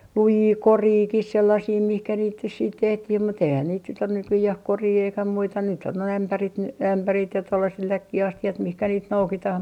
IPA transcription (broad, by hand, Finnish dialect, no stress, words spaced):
lujiː koriːkih selːɑsiː mihkæ niːt nys siːt tehtih mut eihæn niːt nyt on nykyjæh koriː eikæ muitɑ nyt on noi æmpærit n æmpærit jɑ tolːɑset lækːiɑstiɑt mihkæ niːt noukitɑh